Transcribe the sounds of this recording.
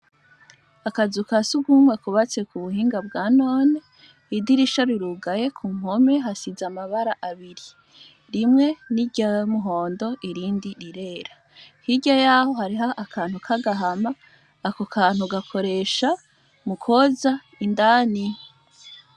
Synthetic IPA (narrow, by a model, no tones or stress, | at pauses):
akazukasuɡumwekuβat͡se̞kuβuhiːŋɡab̚ɡaːno̞ːne | idiɾiʃaɾiɾuɡaje̞kʰuŋ̥o̞me̞ɦasizamaβaɾaʔaβiɾi | ɾimŋe̞niɟamuɦo̞ːndo̞ʔiɾiːndiɾiɾe̞ːɾa | hiɟajaːho̞haɾiɦaʔakʰaːn̥hukʰaɡaɦamaː | kokʰaːn̥huɡakʰo̞ɾe̞ʃa | mukʰoza | indaːni